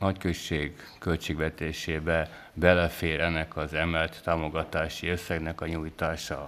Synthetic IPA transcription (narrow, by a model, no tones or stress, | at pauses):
nɒckøt͡ʃːeːɡ | kø̞lt͡ʃeːɡʋɛt̪eːʃeːbɛ | bɛlɛfeːɾɛnːɛkɒzɛmɛlt̪ːaːmo̞ɡɒt̪aːʃiø̞sːɛɡnɛkɒɲuːjt̪aːʃɒ